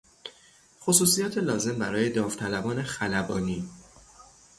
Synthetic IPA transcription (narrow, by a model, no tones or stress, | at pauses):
xosuːsijɒːt̪ʰelɒːze̞mbæɾɒːje̞d̪ɒːft̪ʰælæbɒːne̞xælæbɒːniː